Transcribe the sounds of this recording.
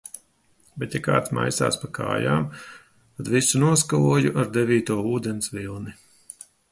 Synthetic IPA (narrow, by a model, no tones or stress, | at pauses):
bɛt̪jaka̰ːt̪sma̰jsa̰ːspakʰa̰ːja̰ːm | t̪ad̪visunuɔskavuɔjuʔaɾd̪evʲiːt̪uɔuːd̪ensvilˠni